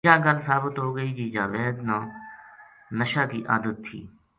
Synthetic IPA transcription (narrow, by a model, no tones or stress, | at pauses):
ãːɡəlsaːbət̪ɦoːɡəiːd͡ʒiːd͡ʒãːʋɛːɦd̪nãː | nəʃaːkiːʔa̰ːd̪ət̪ʰːḭː